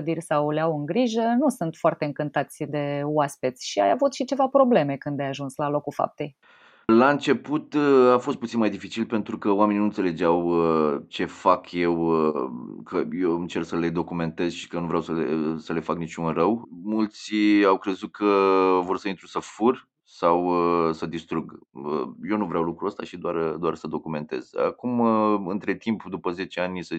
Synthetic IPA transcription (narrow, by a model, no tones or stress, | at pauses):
d̪irʲsawleawɨŋɡɾiʒənusunt̪foart̪e̞ɨŋkɨnt̪at̪sʲd̪e̞oaspet̪sʲʃia̰ja̰vut̪ʃit͡ʃe̞vapɾo̞ble̞me̞kɨnd̪ajaʒunslalo̞kufa̰p̚t̪e̞j | laɨnt͡ʃe̞put̪afost̪̚put̪sinmajd̪ifit͡ʃilpe̞nt̪ɾukəoame̞ninuɨnt̪seled͡ʒawət͡ʃe̞fakʰje̞w | kʰəjoɨnt͡ʃe̞rsəle̞d̪o̞kume̞nt̪e̞zʃi̥kənuvɾawsəlesəle̞faknit͡ʃunrəwmult̪siawkɾe̞zut̪̚kʰəvo̞rsəint̪ɾusəfur | sawəsəd̪ist̪ɾuɡə̰je̞nuvɾeawlukɾuəst̪aʃid̪oard̪oarsəd̪o̞kume̞nt̪e̞̰z̥a̰kumɨnt̪ɾe̞t̪impd̪upəze̞t͡ʃeanʲsə